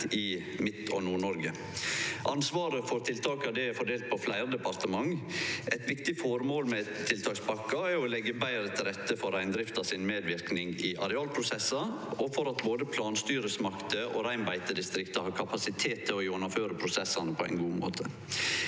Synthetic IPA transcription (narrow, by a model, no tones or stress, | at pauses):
ɪ | mɪt̪ːɔ̰nuːɳɔɾɡə | ʔɑnsʋɑːɾəfɔɾt̪ʰɪlt̪ʰɑːkɑd̪ɛæɾfɔɖeːlt̪̚pʰɔflæɪɾd̪ɛpɑɾt̪əmɑŋɛɪt̪ʋɪkt̪ɪfɔɾmoːlmɛt̪ʰːɪlt̪ʰɑːkspʰɑkːɑɛɾɔlɛɡːəbæɪɾət̪ʰɪlɾɛt̪ːəfɔɾæɪnd̪ɾɪft̪ɑsɪnmeːd̪ʋɪɾknɪŋɪʔɑ̰ɾɛɑːlpʰɾʊsɛsːɑ | ɔfɔɾɑt̪boːd̪əpʰlɑːnst̪yːɾəsmɑkt̪əʔɔ̰ɾæɪnbæɪt̪əd̪ɪst̪ɾɪkt̪ɑhɑːɾkʰɑpɑsɪt̪ʰeːt̪ʰːəɔʊnəføːɾəpʰɾʊsɛsɑnəpʰɔæɪnɡuːmo̰ːt̪ʰə